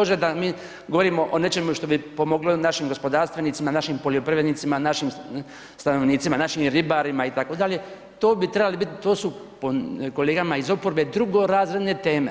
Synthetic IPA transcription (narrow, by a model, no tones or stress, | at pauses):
oʒed̪amiː | ɡoʋo̞ɾiːmo̞ʔone̞t͡ʃe̞muʃt̪o̞bipo̞mo̞ɡlonaʃimɡo̞spo̞d̪aːɾst̪ʋe̞nit̪imanaʃimpo̞ljopɾiʋed̪nit̪simanaʃim | st̪ano̞ʋniːt̪simanaʃimɾibaɾimait̪ako̞d̪aʎe̞ | t̪o̞ːbit̪ɾe̞balibit̪t̪o̞ːsu | poko̞le̞ːɡamaizo̞poɾbe̞d̪ɾuɡo̞ɾaːzɾe̞d̪ne̞t̪eːme̞